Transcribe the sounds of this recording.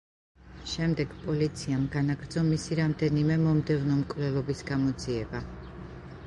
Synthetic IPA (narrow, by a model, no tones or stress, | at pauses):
ʃɛmd̪ɛɡpʼɔlit̪sʰiamɡanaɡɾd̪zɔmisiɾamd̪ɛnimɛmɔmd̪ɛvnɔmkʼvlɛlˠɔbisɡamɔd̪ziɛba